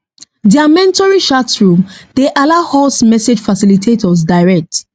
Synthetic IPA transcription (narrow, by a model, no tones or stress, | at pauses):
diamɛ̃ntɔɹiʃatsɹũmd̥eʔalahɔsmɛsed͡ʒfasilitʰetʰɔs̬daɪɹɛk̚t